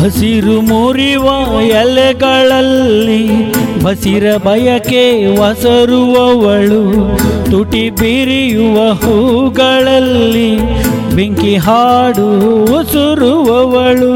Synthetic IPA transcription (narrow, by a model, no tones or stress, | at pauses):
bʱɐsiɾumuɾiʋɐjɛlɛɡɐɭɐlːibʱɐsiɾɐbʱɐjɐkeʋɐsɐɾuʋɐʋɐɭut̪uʈibiɾijuʋɐɦuɡɐɭɐlːi | beŋkiɦaːɽuʋɐsuɾuʋɐʋɐɭu